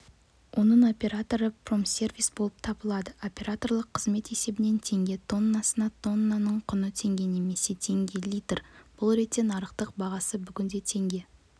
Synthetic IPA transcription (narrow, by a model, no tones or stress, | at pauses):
wʔo̞nəɴo̞pʲe̞ɾat̪o̞ɾəpro̞msʲe̞rvijsbo̞lˠəp̚t̪ʰɑbəlˠɑd̪əo̞pʲe̞ɾat̪o̞rlˠəqʰːəzme̞t̪e̞se̞bɪne̞nt̪ʰe̞ŋɡʲe̞t̪ʰo̞nːasənɑt̪ʰo̞nːanəɴqʰʊnət̪ʰe̞ŋɡʲe̞ne̞me̞se̞t̪ʰe̞ŋɡʲe̞lʲijt̪rb̥ʊlˠɾe̞t̪ːe̞nɑɾəqt̪əq̚bɑʁɑsəbʏɡʲɪnd̪e̞t̪ʰe̞ŋɡʲe̞